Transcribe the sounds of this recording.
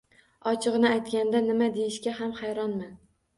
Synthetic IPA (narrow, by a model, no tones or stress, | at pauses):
ɒt͡ʃʰɨʁɨnɪajt̪kʲand̪anɪmad̪ejɪʃkʲaɦamhajɾɒnman